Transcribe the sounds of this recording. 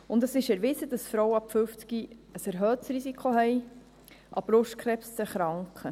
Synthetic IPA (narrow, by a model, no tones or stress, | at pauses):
ʊndəsɪʃɛɾʋɪsədɑsfɾɔwəɑpfʏft͡skiəsɛɾɦœːtsɾisikʰχoɦɛj | ʔɑb̥ɾʊʃtkχɾɛpst͡səχɾɑŋkχə